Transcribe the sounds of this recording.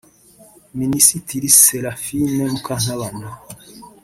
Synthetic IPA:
minisitiɾiseɾafinemukan̥aβana

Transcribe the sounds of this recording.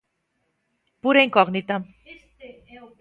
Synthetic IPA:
puɾeŋkɔɣnit̪am

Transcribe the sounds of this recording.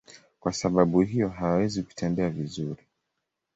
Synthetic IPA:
kwasaɓaɓuɦijɔɦawawɛziku̥tɛnbɛavizuɾi

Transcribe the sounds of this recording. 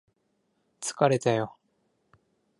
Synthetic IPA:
t͡sɨ̥kaɾe̞t̪ajo̞

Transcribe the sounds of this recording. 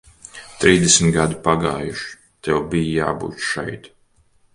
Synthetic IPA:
t̪ɾiːzd̪ɛsmit̪ɡad̪upaɡaːjuʃ | t̪ɛwbijja̰ːbṵːt̪ʃɛ̰jt̪

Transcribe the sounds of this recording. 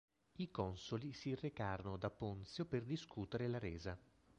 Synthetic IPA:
ikɔnsolisirːekaːɾonod̪apːont̪sjoperd̪iskut̪eɾelaɾɛːza

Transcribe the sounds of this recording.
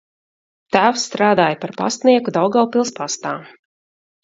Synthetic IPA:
t̪æːwsːt̪ɾaːd̪aːjpaɾpa̰st̪niɛkud̪awɡawpilˠspast̪aː

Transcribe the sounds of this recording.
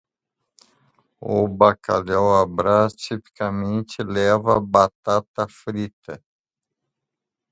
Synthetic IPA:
obakalawabɾast͡ʃipkamint͡ʃilɛvabat̪at̪afɾit̪ɐ

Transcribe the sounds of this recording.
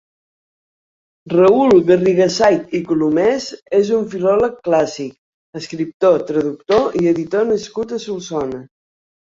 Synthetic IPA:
rəulˠðəriɣəsajt̪ikulumɛzezuɱfilɔləkːlasik | əskɾip̚t̪ot̪ɾəðuk̚t̪oʔiəðit̪onəskut̪əsulˠsɔnə

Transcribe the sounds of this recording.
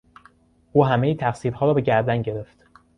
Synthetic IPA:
ʔuːɦæmejit̪ʰæxsiːɾhɒːɾɒːbe̞ɟæɾd̪ænɟe̞ɾe̞ft̪

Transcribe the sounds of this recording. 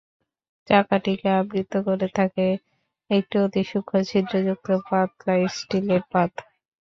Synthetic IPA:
d͡ʒakaʈikeabɾit̪okoɾet̪ʰake | ek̚ʈiot̪iʃukʰːot͡ɕʰid̪ɾod͡ʑuk̚t̪opat̪lajsʈileɾpat̪

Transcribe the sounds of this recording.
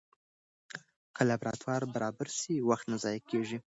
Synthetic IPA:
kalabɾɑ̰t̪wɑɾbaɾɑbaɾsiwaxt̪nazɑjakeʒi

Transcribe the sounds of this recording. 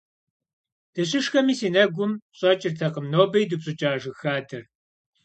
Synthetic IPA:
d̥ɐɕʼɪʂxɐmiːsiːnɐɡʷʊmɕʼɐt͡ʃʼɪrtʰɐqəmnoːbɐjdɨpɕʼʊt͡ʃʼaːʒɨxaːdʰɨr

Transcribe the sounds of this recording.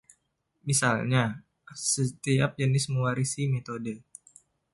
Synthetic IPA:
misalɲa | sət̪ia̰p̚d͡ʒənisməwaɾisimet̪odə

